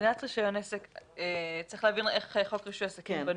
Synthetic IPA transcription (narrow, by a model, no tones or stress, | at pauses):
natʁiʃajoneseket͡sʁiχlehavineχeχokʁiʃujasakimban